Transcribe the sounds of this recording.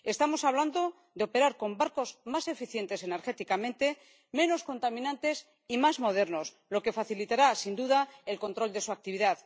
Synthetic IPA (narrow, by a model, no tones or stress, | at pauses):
e̞st̪amo̞saβ̞land̪o̞ | ðeo̞pe̞ɾaɾko̞mbaɾko̞zmase̞fiθje̞nt̪e̞se̞ne̞ɾxe̞t̪ikamẽ̞nt̪e̞ | mẽ̞no̞sko̞nt̪amĩnãnt̪e̞s | imazmo̞ð̞e̞ɾno̞s | lo̞ke̞faθilit̪aɾasind̪uðae̞lko̞nt̪ɾo̞ld̪e̞suak̚t̪iβiðað